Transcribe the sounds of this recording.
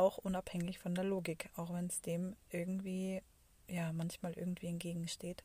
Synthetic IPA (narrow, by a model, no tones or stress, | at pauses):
aʊxʔʊnaphɛŋɪçfɔndeːɐloːɡɪkʰaʊxv̥ɛnsd̥eːmʔɪɐɡŋ̩tv̥iː | jaːmançmaːlʔɪ̰ɐɡŋ̩tv̥iːɛntɡ̥eːɡŋ̩ʃteːt